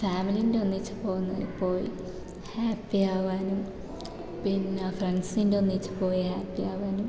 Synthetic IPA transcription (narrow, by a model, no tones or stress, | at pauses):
faːmiliinɖeonːit͡ɕːu̥po̞ːɣunːɐðipːo̞ːjḭ | haːpːijaːʋaːnum | pinfrenɖsninɖeonːit͡ɕːu̥po̞ːjihaːpːijaːʋaːnum